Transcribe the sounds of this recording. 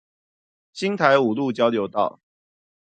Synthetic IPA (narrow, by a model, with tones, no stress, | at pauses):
ɕi˦ŋt̪ʰa˨˦ɪu˨˩lu˥˨t͡ɕjɑ˥˦ʊljo˨˦ʊt̪ɑ̰˥˨ʊ